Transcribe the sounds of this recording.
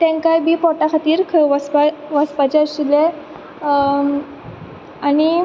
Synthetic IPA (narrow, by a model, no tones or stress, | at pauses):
t̪ɛ̃ŋkajbiːpɔʈakʰat̪iːɾkʰəʋaspaʋaspat͡ɕeəsile | aɽ̃i